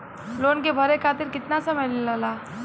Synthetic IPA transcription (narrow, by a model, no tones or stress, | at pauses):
loːnkebʱɐɾekʰaːt̪ɪɾkɪt̪nasɐmɛjnilaːlaː